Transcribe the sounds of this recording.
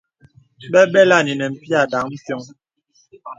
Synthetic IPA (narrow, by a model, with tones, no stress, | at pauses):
ɓɛ˦ɓɛ˦la˦˨ni˨nɛ˨m̩˨pi˦a˨da˨˦ŋm̩˦tjɔ˦ŋ